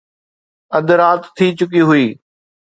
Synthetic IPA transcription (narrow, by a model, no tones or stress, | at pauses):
ɐd̪ɾaːt̪t̪ʰːiːt͡ɕʊkiɦʊiː